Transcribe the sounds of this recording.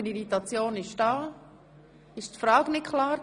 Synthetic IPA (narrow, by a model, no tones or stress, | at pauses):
əniɾitɑt͡sjoːnɪʃd̥ɑː | ɪʃtfɾɑːɡnɪtkʰlaːɾ